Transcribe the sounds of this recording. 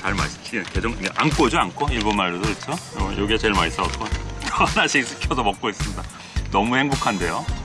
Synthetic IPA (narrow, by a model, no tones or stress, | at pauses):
t͡ɕaɭma̰s͈ɯ̥t͡ɕʰinked͡ʑʌŋiɡaʔank͈od͡ʑiankʰoiɭbonmaɭːodoit͡ɕʰojʔoɡiet͡ɕe̞ɭmais͈aot̚k͈otʌhanaɕʰiɡsʰɯkʰjʌsʰʌmʌk̚k͈ois͈ɯmɲida | nʌmuhe̞ŋbokʰande̞jo